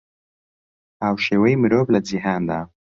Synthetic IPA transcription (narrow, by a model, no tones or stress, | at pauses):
awʃewəjmɪɾoblad͡zɪɦɑnd̪a